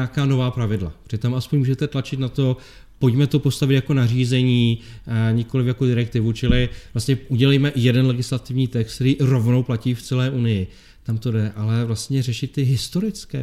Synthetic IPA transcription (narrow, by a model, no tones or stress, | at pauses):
aːkaːno̞vaːpɾavɪdla̰pr̥ɪt̪amʔaspoɲmuːʒɛt̪ɛt̪lat͡ʃɪt̪nat̪o̞ | po̞cmɛt̪o̞po̞st̪avɪt̪jako̞nariːzɛɲiːɲɪko̞lɪfjakodɪɾɛk̚t̪ɪvut͡ʃɪlɪvlast̪ɲɛʔuɟɛlɛjmɛjɛdɛnlɛɡɪslat̪ɪvɲiːt̪ɛxst̪t̪ɛɾiːɾo̞vnowplaciːft͡sɛlɛːʔunɪjɪ | t̪amt̪o̞dɛʔalɛvlast̪ɲɛrɛʃɪt̪ːɪɦɪst̪o̞ɾɪt͡skɛ̰ː